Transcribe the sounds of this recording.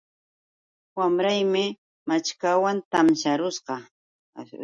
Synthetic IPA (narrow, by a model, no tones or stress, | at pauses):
wamɾajmɪ | mat͡ʃkawant̪amʃaɾʊsqɑ